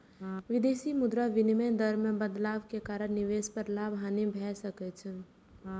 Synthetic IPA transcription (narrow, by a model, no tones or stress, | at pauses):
ʋɪd̪eːsimʊd̪ɾaʋɪnimed̪əɾmẽbəd̪laːʋkekaːɾəɾniʋeːspəɾlaːbʱɦanebʱɛsəkɛt͡ʃʰɛ